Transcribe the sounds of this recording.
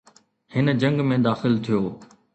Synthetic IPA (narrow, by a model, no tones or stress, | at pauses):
hɪnd͡ʑɐ̃ŋɡmẽd̪aːxɪlt̪ʰijoː